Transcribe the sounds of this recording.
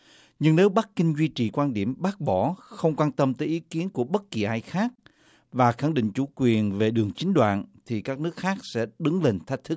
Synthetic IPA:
ɲɨ˧ŋne˨˦wɓa˦˥k̚kï˧ŋ̟zwi˧t͡ɕi˨˩kwaː˧nɗi˧˩əmɓaː˦˥k̚ɓɔ˧˩xə˧wŋ͡mkwaː˧nt̪ə˧mt̪əː˨˦jʔi˨˦ki˨˦ənku˧˩əɓə˦˥t̚ki˨˩ʔaː˧jxaː˦˥k̚ | vaː˨˩xa˧˩ŋɗḭ˧˨ŋ̟t͡ɕṵ˧˩kwi˨˩ənve˨˩ɗɨ˨˩əŋt͡ɕï˨˦ŋ̟ɗwa̰ː˧˨nt̪ʰi˨˩kaː˦˥k̚nɨ˦˥ək̚xaː˦˥k̚sɛ̰˧˥ɗɨ˨˦ŋle˨˩ŋt̪ʰə˦˥k̟̚t̪ʰɨ˦˥k̚

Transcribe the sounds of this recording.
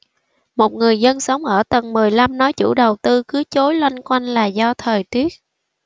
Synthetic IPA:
mo˨˩t̚ŋɨ˨˩əjzə˧nsə˨˦wŋ͡mʔəː˧˩t̪ə˨˩nmɨ˨˩əjla˧mnɔ˨˦jt͡ɕṵ˧˩ɗə˨˩wt̪ɨ˧kɨ˨˦t͡ɕo˨˦jlwa˧jnkwa˧jŋ̟laː˨˩zɔ˧t̪ʰəː˨˩jt̪i˦˥ət̚

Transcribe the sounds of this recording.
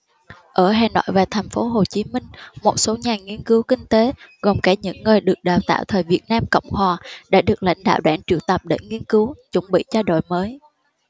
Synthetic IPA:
ʔəː˧˩ɦaː˨˩nwa̰ː˧˨jvaː˨˩t̪ʰɛ˨˩jŋ̟fo˨˦ɦo˨˩t͡ɕi˨˦mï˧ŋ̟mo˨˩t̚so˨˦ɲaː˨˩ŋi˧ənkɨ˨˦wkï˧ŋ̟t̪e˨˦ɣo˨˩mkaː˧˩ɲɨ̰˧˥ŋːəː˨˩jɗɨ˨˩ək̚ɗaː˨˩wt̪a̰ː˧˨wt̪ʰəː˨˩jvi˨˩ət̚naː˧mkə̰˧˨wŋ͡mhwaː˨˩ɗa̰ː˧˥ɗɨ˨˩ək̚la̰˧˥jŋ̟ɗa̰ː˧˨wɗaː˧˥nt͡ɕi˧˩əwt̪ə˨˩p̚ɗḛ˧˩ŋi˧ənkɨ˨˦wt͡ɕʊ˨˧˥ŋ͡mɓḭ˧˨t͡ɕɔ˧ɗo̰˧˨jməː˨˦j

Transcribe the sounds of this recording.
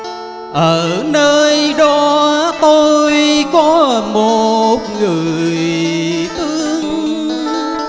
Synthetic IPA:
ʔəː˧˩nəː˧jɗɔ˨˧˦t̪o˧jkɔ˨˦mo˨˩t̚ŋɨ˨˩əjjt̪ɨ˧˦əŋ

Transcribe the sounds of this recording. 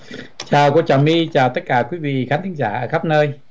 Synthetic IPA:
t͡ɕaː˨˩wkə˧t͡ɕaː˨˩mi˧t͡ɕaː˨˩wt̪ə˦˥t̚kaː˧˩kwi˨˦vḭ˧˨xaː˨˦nt̪ʰï˨˦ŋzaː˧˩ʔəː˧˩xa˦˥p̚nəː˧j

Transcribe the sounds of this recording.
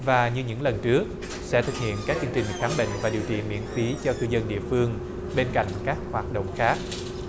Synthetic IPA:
vaː˨˩ɲɨ˧ɲɨ̰˧˥ŋlə˨˩nt͡ɕɨ˦˥ək̚ | sɛ̰˧˥t̪ʰɨ˨˩k̚hḭ˧˨ənkaː˦˥k̚t͡ɕɨ˧əŋt͡ɕï˨˩ŋ̟xaː˨˦mɓḛ˧˨ŋ̟vaː˨˩ɗi˨˩əwt͡ɕḭ˧˨mḭ˧˥ənfi˨˦t͡ɕɔ˧kɨ˧zə˧nɗḭ˧˨əfɨ˧əŋ | ɓe˧nka̰˧˨jŋ̟kaː˦˥k̚hwaː˨˩t̚ɗo̰˧˨wŋ͡mxaː˦˥k̚

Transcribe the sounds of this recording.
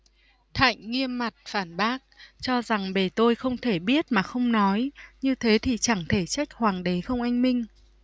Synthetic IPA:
t̪ʰa̰˧˨jŋ̟ŋi˧əmːa˨˩t̚faː˧˩nɓaː˦˥k̚t͡ɕɔ˧za˨˩ŋɓe˨˩t̪o˧jxə˧wŋ͡mt̪ʰe˧˩ɓi˦˥ət̚maː˨˩xə˧wŋ͡mnɔ˨˦jɲɨ˧t̪ʰe˨˦t̪ʰi˨˩t͡ɕa˧˩ŋt̪ʰe˧˩t͡ɕa˦˥jk̟̚hwaː˨˩ŋɗe˨˦xə˧wŋ͡mʔa˧jŋ̟mï˧ŋ̟

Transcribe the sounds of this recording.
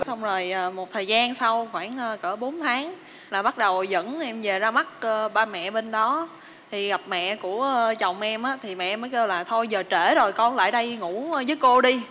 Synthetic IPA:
sa˧wŋ͡mzo˨˩jʔəː˨˩mo˨˩t̚t̪ʰəː˨˩jzaː˧nsa˧wxwaː˧˩ŋʔəː˧kəː˧˩ɓo˨˦nt̪ʰaː˨˦ŋ | laː˨˩ɓa˦˥t̚ɗə˨˩wzə̰˧˥nʔɛ˧mve˨˩zaː˧ma˦˥t̚ʔə˧ɓaː˧mɛ̰˧˨ɓe˧nɗɔ˨˦ | t̪ʰi˨˩ɣa˨˩p̚mɛ̰˧˨ku˧˩ət͡ɕa˨˩wŋ͡mʔɛ˧mʔaː˨˦t̪ʰi˨˩mɛ̰˧˨məː˨˦jke˧wlaː˨˩t̪ʰo˧jzəː˨˩t͡ɕe˧˩zo˨˩jkɔ˧nla̰ː˧˨jɗə˧jŋu˧˥˧zəː˨˦jko˧ɗi˧

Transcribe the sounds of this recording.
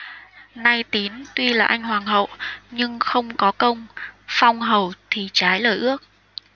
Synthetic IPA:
na˧jt̪i˨˦nt̪wi˧laː˨˩ʔa˧jŋ̟hwaː˨˩ŋɦə̰˧˨wɲɨ˧ŋxə˧wŋ͡mkɔ˨˦kə˧wŋ͡mfa˧wŋ͡mɦə˨˩wt̪ʰi˨˩t͡ɕaː˨˦jləː˨˩jʔɨ˦˥ək̚

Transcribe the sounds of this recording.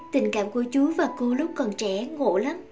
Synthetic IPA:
t̪ï˨˩ŋ̟ka̰ː˧˨mku˧˩ət͡ɕu˨˦vaː˨˩ko˧lʊ˦˥k͡p̚kɔ˨˩nt͡ɕɛ˧˩ŋo̰˧˨la˨˦m

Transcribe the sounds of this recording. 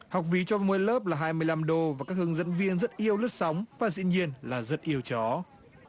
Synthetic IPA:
ha˨˩wk͡p̚vi˨˦t͡ɕɔ˧mu˧˨əjləː˦˥p̚laː˨˩ɦaː˧jmɨ˧əjla˧mɗo˧vaː˨˩kaː˦˥k̚hɨ˧əŋzə̰˧˥nvi˧ənzə˦˥t̚ʔi˧əwlə˦˥t̚sa˨˦wŋ͡mvaː˨˩zḭ˧˨ɲi˧ənlaː˨˩zə˦˥t̚ʔi˧əwt͡ɕɔ˨˦

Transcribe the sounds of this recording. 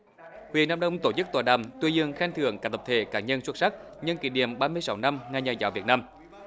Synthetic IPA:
hwḭ˨ənaː˧mɗə˧wŋ͡mt̪o˧˩t͡ɕɨ˦˥k̚t̪waː˨˩ɗa̰˨˩mt̪wi˧zɨ˧əŋxa˧nt̪ʰɨ̰˧˩əŋkaː˨˦˥t̪ʰə˨˩p̚t̪ʰe˧˨˦kaː˨˩ɲə˧nswt̚sa˦˥k̚ | ɲɨ˧ŋki˧˩˦ɗḭ˧˩əmɓaː˧mɨ˧əjsa˨˦wna˧mŋaː˧˩ɲaː˨˩zaː˨˦wvi˨˩ət̚naː˧m

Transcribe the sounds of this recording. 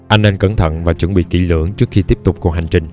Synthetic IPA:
ʔa˧jŋʔɛ˧nkə˧˩nt̪ʰə̰˧˨nvaː˨˩t͡ɕwə˧˩nɓḭ˧˨kḭ˧˩˥lɨ̰˧˥əŋt͡ɕɨ˦˥ək̚xi˧t̪i˦˥əp̚t̪ʊ˨˩k͡p̚ku˨˩ha˨˩jŋ̟t͡ɕï˨˩ŋ̟

